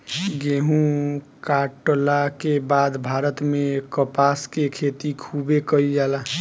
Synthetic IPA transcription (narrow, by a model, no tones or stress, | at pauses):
ɡeɦũ | kaʈolakebad̪bʱaːɾət̪mẽkəpaːskekʰet̪ikʰubekəid͡ʒaːla